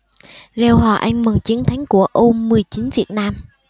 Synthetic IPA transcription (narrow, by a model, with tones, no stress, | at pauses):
zɛ˧˩wɦɔ̰˨˩ʔa˧jŋ̟mə˨˩nt͡ɕi˨˦ənt̪ʰa˨˦jŋ̟ku˧˩əʔo˧mɨ˨˩əjt͡ɕi˨˦nvi˨˩ət̚naː˧m